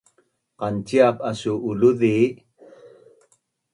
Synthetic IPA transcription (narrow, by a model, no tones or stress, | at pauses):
qantiap̚asuʔːluði